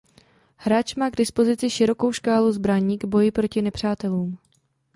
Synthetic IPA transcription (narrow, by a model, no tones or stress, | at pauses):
hɾaːt͡ʃmaːɡdɪspo̞zɪt͡sɪʃɪɾo̞ko̞wʃkaːluzbɾaɲiːɡbo̞jɪpɾo̞cɪnɛpr̝̥aːt̪ɛluːm